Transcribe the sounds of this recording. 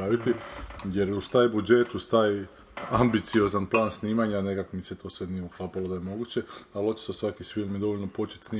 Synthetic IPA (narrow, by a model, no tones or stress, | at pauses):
ɾaːʋit̪ijeɾust̪aːjbud͡ʒe̞t̪ust̪aji | ambit̪sio̞zanplˠaːnsniːmaɲane̞kakomit̪set̪ʰo̞ːsenijeuklˠaːpalod̪ajemo̞ɡuːt͡ɕe̞alo̞t͡ʃi̥t̪osʋakisfilˠmjed̪o̞ʋoʎʲnopo̞t͡ʃe̥t̪ʲsniː